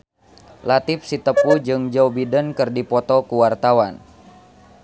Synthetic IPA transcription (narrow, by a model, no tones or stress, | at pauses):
lat̪ɪp̚sit̪əpud͡ʒɨŋd͡ʒɔwbidənkɨrdipɔt̪ɔkuwart̪awan